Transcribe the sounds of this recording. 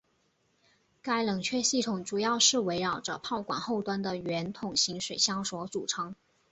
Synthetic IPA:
ka˥ɪlɤ˨˩ŋt͡ɕʰɥɛ˥˧ɕi˥˩t̪ʰʊ˨˩˦ŋʈ͡ʂu˨˩jɑ˥˧ʊʂɻ̩˥˩we˧˥ɪɻɑ˨˩ʊʈ͡ʂə̰˦pʰɑ˥˩ʊkwa̰˨˩nxo˥˩ʊt̪wa˥nd̪ə˨ɥɛ˧˥nt̪ʰʊ˨˩ŋɕi˧˥ŋʂwe˨˩ɪɕjɑ˥ŋʂwɔ˧˥t͡su˨˩ʈ͡ʂʰɤ˧˥ŋ

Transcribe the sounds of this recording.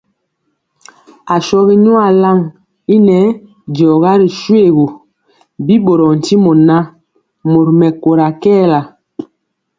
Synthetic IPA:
a˨ʃɔ˦ɣi˦ɲɔ˦a˨la˦˨ŋ | i˦nɛ˦ | d͡ʒɔ˨ɣa˦ɾi˨ʃwe˦˨ɣo˨ | bi˦bo˨ɾɔ˨n̩˨ti˦mɔ˨na˦ | mo˨ɾmɛ˨ko˨ɾa˨kɛː˦˨la˨

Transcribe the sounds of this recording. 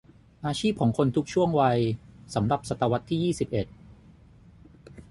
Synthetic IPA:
ʔaː˧t͡ɕʰiː˥˩p̚kʰɔː˩˦ŋkʰo˧nt̪ʰu˦˥k̚t͡ɕʰu˥˩əŋwa˧jsa˩˦mɾa˨˩p̚sa˨˩t̪ːa˧wa˦˥t̪ʰːiː˥jiː˥˩si˨˩p̚ʔe˨˩t̪̚

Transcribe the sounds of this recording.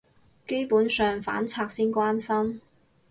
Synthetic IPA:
ke˥jpuː˨˥nsœː˧ŋfa̰ː˨˥nt͡sʰaː˧k̚siː˥nkʷwaː˥nsɐ˥m

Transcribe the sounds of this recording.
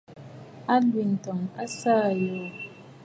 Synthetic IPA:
a˦li˨n̩˨tɔ˨ŋa˦saː˦˨jɔː˦˨

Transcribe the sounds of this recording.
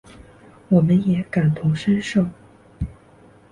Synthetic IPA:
wɔ˨˩mə˦njɛ˧˥ka˨˩nt̪ʰʊ˧˥ŋʂə˥nʂo˥˩ʊ

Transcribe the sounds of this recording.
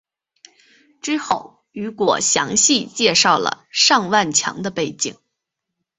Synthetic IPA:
ʈ͡ʂɻ̩˥xo˥˩ʊ | y˧˥kwɔ̰˨˩ɕjɑ̰˧˥ŋɕi˥˧t͡ɕjɛ˥˧ʂɑ˥˩ʊlə̰˩ʂɑ˥˧ŋwa˥˩nt͡ɕʰjɑ̰˧˥ŋd̪ə˧pe˥˩ɪt͡ɕi˨˩˦ŋ

